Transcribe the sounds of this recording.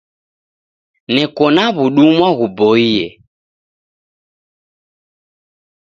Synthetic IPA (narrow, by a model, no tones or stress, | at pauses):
nɛkɔnaβuɗumwaɣubɔiɛ